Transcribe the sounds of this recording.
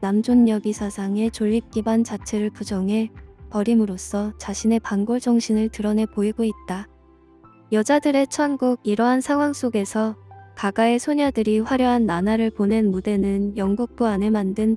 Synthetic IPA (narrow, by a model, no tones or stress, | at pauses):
namd͡ʑonːʌɡisʰasʰaŋe̞t͡ɕoʎːip̚k͈ibant͡ɕat͡ɕʰe̞ɾɯɭpud͡ʑʌŋɦe̞pʌɾimɯɾos͈ʰʌt͡ɕaɕʰine̞panɡʌɭd͡ʑʌŋɕʰinɯɭtɯɾʌne̞poiɡoit̚t͈a | jʌd͡ʑadɯɾe̞t͡ɕʰʌnɡuɡiɾʌɦansʰaŋɦwaŋs͈oɡe̞sʰʌkaɡae̞sʰoɲadɯɾiɸwaɾjʌɦanːanaɾɯɭpone̞nmude̞nɯnjʌŋɡuk̚p͈uane̞mandɯn